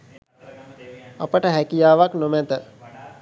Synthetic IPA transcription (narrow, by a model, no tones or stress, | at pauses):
apəʈəɦækijaːʋaknomæt̪ə